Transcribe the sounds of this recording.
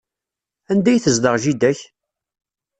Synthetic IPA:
ænd̪æjθəzd̪əʁʒid̪æç

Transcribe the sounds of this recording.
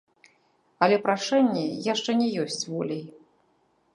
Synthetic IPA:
ɐlʲɛpɾaʂɛnʲːɛjaʂt͡ʂɛnʲɛjɔsʲt͡sʲvɔlʲej

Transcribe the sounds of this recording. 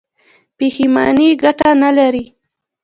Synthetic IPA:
peximɑ̰niɡaʈanalaɾi

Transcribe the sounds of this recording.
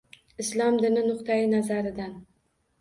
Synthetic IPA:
ɪslˠɒmd̪ɪnɪnʊqt̪ʰajɪnazaɾɪd̪an

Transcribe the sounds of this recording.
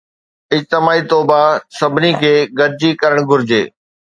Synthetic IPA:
ɪd͡ʑt̪ɪmaːit̪oːbasɐbʱɪnikʰeːɡɐɾɪd͡ʑikɐɾəɽ̃ɡʱʊɾɪd͡ʑḛː

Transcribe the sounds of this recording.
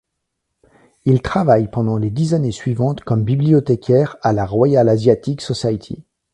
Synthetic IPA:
ilt̪χavajpɑ̃d̪ɑ̃led̪izanesɥivɑ̃t̪kɔmbibliɔt̪ekʲɛʁalaʁwajalazjat̪iksɔsajt̪ʰḭ

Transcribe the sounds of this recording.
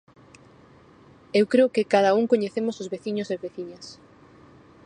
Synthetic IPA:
ewkɾeokekaðɐuŋkoɲeθemʊsozβeθiɲʊseβeθiɲɐs

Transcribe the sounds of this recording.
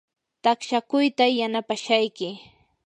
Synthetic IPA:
t̪akʃakʊjt̪ajanapaʃajkɪ

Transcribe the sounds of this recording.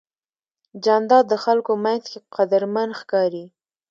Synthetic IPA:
d͡ʒɑnd̪ɑd̪ːəxalkomat̪keqad̪əɾmanxkɑɾi

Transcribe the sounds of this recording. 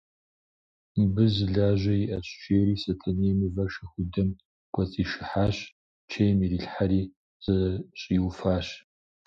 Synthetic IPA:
mbɨzɨɮaːʒʷɐjiʔɐɕʼt͡ʃʰeːɾiːsɐtʰɐneːmɨvɐʃɐxʷʊdɐm | ɡ̥ʷʰʼɔt͡sʼiːʃɪħaːɕ | t͡ʃʰejmiɾiɬħaɾiː | z̥ɐɕʼiwfaːɕ

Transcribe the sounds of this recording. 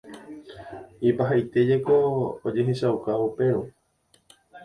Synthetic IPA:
ipaɦajt̪e̞d͡ʒe̞koo̰d͡ʒe̞ɦe̞ʃaukaupe̞ɾu

